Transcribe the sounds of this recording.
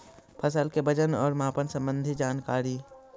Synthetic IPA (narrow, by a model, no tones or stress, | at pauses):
pʰɐsəlkebɐd͡ʒənɔːɾmaːpənsɐ̃mbə̃nd̪ʱid͡ʒaːnkaːɾiː